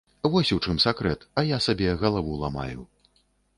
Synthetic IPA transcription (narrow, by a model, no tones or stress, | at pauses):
vɔsʲut͡ʂɨmsakɾɛt̪ɐjasabʲɛɣɐlˠavulˠama̰jṵ